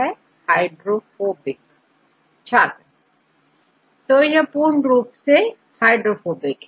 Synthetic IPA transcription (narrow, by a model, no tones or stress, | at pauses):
ɛ | haːɪɖɾofoːbɪk | t͡ʃʰaːɾ | t̪ojɐpuːɾɳɾuːpse | haːɪɖɾofoːbɪk